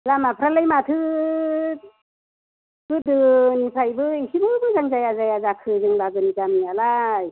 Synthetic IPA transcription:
lamapʰɾalajmat̪ʰɯ | ɡɯdɯnipʰajbɯisibɯbɯzaŋzajazajazakʰɯzɯŋbaɡɯnizamialaj

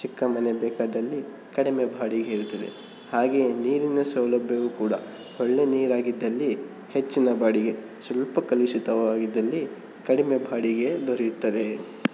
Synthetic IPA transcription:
t͡ʃikːɐmɐnebɛːkaːd̪ɐlːi | kɐɽime̞bʱaːɽiɡeiɾut̪ːɐd̪ḛ | haːɡe̞ːniːɾinɐsɐʋlɐbʱjɐʋukuːɽɐ̰ | hɔɭːe̞niːɾaːɡid̪ːɐlːi | het͡ʃːinɐbaːɽiɡe̞ | sʋɐlpɐkɐliʃit̪ɐʋaːɡid̪ːɐlːi | kɐɽime̞bʱaːɽiɡe̞d̪ʱoɾɛjut̪ːɐd̪e̞

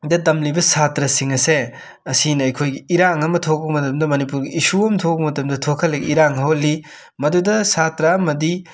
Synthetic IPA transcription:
dɐdɐmlibɐsatɾɐsiŋɐse | ɐsinɐɐjkʰojɡiiɾaŋɐmɐtʰokɐk̚mɐtɐmdɐmɐnipuɾɡiisuɐmtʰokɐk̚mɐtɐmdɐtʰokʰɐlːɐɡiɾaŋhɐɦolːi | mɐdudɐsatɾɐmɐdi

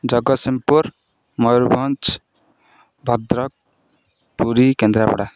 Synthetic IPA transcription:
d͡ʒʌɡʌsimpuɾ | mɔjɾbʱɔnt͡ʃ | bʱʌd̪ɾʌk̚ | puɾikend̪ɾapɔɽa

